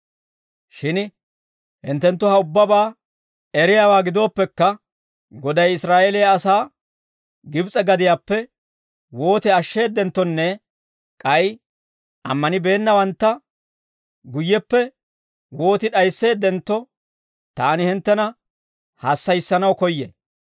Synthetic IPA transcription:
ʃɪn | hɪ̰nt̪ːɛnt̪ːʊhɐʊbːɐbaː | ɛɾɪjaːwaːɡɪd̪o̞ːpːɛkːɐ | ɡɔd̪ɐjɪsɾaːʔelɪjaːsaː | ɡɪbt͡sʼɛɡɐd̪ɪjaːpːɛ | wo̞ːt̪ɛɐʃːe̞ːd̪ːɛnt̪ːɔnːɛ | kʼɐj | ʔɐ̰mːɐnɪbe̞ːnːɐwɐnt̪ːɐ | ɡʊjːɛpːɛ | wo̞ːt̪ɪᶑɐjsːe̞ːd̪ːɛnt̪ːɔ | t̪aːnɪhɪnt̪ːɛnɐ | haːsːɐjsːɐnɐwkɔjːɛ̰

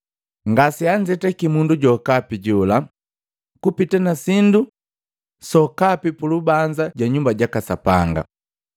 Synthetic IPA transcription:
ŋɡasiaɲd͡ʒɛtɛkimunduɟɔkapiɟɔla | kupitɛnasindu | sɔkapipulubaɲd͡ʒaɟwaɲumbaɟakasapaŋɡa̰

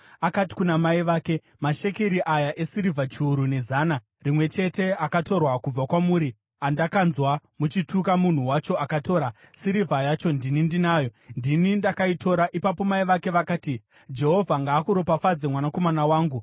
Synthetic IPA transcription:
akati̥kunamaiʋaːke̞ | maʃekeɾiʔajaʔe̞siɾivʱat͡ʃiːɾune̞zaːna | rimwe̞t͡ʃe̞te̞akato̞rwakub͡vakwamuːɾi | andakanzwamut͡ʃitʰukamun̤uwat͡ʃo̞akato̞ːɾasiɾivʱajat͡ʃo̞ndinindinaːjo̞ndinindakaitʰo̞ɾaʔipapo̞maiʋake̞ʋakaːti | d͡ʒe̞ɦo̞vʱaŋɡaːkuɾo̞pafad͡zemwanako̞manawaːŋɡu

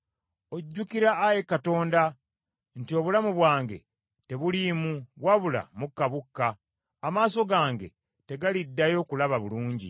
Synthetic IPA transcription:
o̞ɟːukiɾaːje̞kato̞ːnda | ntio̞βulamuβwaːŋɡe̞̰ | te̞βulimuβwaβula̰mukːaβukːaː | maːso̞ɡaːŋɡe̞̰ | te̞ɡalidːajo̞kulaβaβuluːɲɟḭ

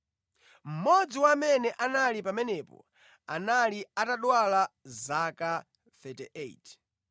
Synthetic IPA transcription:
m̩mɔd͡ziwamɛnɛʔanalipamɛnɛpɔ̰ | analiataɗwalazaka | θɛtɛ̰ʔet

